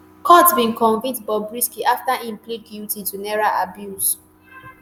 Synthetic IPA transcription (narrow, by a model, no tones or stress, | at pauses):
kʰɔtsbĩnkɔ̃nvĩtbɔbɹiskiʔaftaĩmpleɡiltitunɛɹalabjus